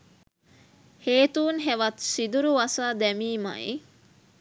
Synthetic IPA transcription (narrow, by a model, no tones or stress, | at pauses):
heːt̪uːnɦeʋɐt̪sid̪uɾuʋɐsaːd̪ɛmiːma̰ḭ